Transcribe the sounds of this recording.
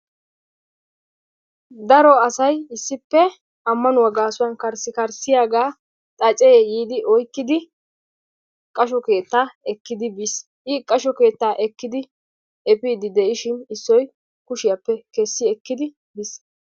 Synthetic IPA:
d̪ɐɾɔɐsɐjɪsːɪpːɛ | ɐmːɐnʊwɐɡaːsʊwɐnkɐɾsɪkɐɾsɪjaːɡaː | t̪ʼɐt͡ʃʼɛjejiːd̪ɪʔɔjkːɪd̪ɪ | kʼɐʃɔke̞ːt̪ːaːɛkːɪd̪ɪbis | ʔɪkʼɐʃɔke̞ːt̪ːaːʔɛkːɪd̪ɪ | ɛpiːd̪ɪd̪ɛʔɪʃɪnɪsːɔj | kʊʃɪjɐpːɛkɛsːɪɛkːɪd̪ɪ | bis

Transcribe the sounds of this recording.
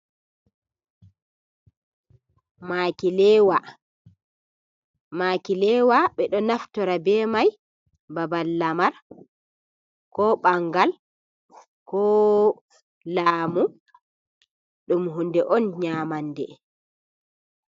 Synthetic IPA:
makilɛːwa | maːkilɛwaɓɛɗɔnaftɔɾabɛːmaj | babalːamaɾ | kɔɓaŋɡal | kɔ | laːmu | ɗumɦundɛʔɔnɲamandɛ̰

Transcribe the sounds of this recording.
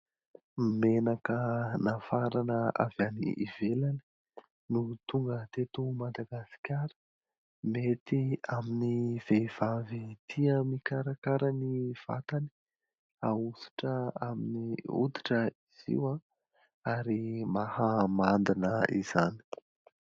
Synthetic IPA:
mimenakənafaɾanəa̰vanḭʔivelani̥ | nut̪uŋɡət̪et̪umad̪aɡasi̥kʲaɾə̥ | met̪iaminiv̥eiv̥avit̪ʰiəmikaɾakaɾəniv̥a̰t̪ani̥ | ausi̥ʈ͡ʂəaminiṵd̪i̥ʈ͡ʂəiz̥ḭwã | aɾimahamand̪inəḭz̥ani̥

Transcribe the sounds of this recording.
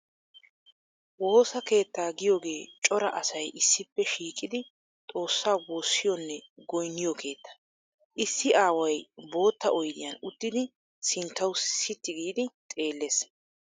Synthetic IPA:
wo̞ːsɐke̞ːt̪ːaːɡɪjo̞ːɡe̞ːt͡ʃʼɔɾɐʔɐsɐjʔɪsːɪpːɛʃiːkʼːɪd̪ɪ | t̪ʼo̞ːsːaːwo̞ːsːɪjɔnːɛɡɔjnːɪjɔkʰe̞ːt̪ːɐ̥ | ʔɪsːɪʔaːwɐjbo̞ːt̪ːɐʔɔjd̪ɪjɐnʊt̪ːɪd̪ɪ | sɪnt̪ːɐwsɪt̪ːɪɡiːd̪ɪt̪ʼe̞ːlːeːs

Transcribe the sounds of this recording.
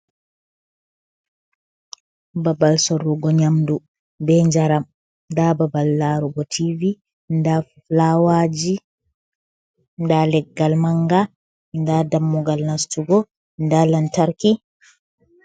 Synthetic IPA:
babalsɔɾuɡɔɲamdu | bɛɲd͡ʒaɾam | dababalːaɾuɡɔtʰivi | nda | lawad͡ʒi | ndalɛɡːalmaŋɡa | ndadamːuɡalnastuɡɔ | ndalantaɾki

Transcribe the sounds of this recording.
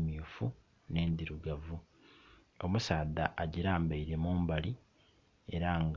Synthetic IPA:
mifu | ne̞ːnd̪iɾuɡavu | o̞musaːd̪aʔːɟiɾaːmbaiɾe̞muːmbali | e̞ɾaŋɡ

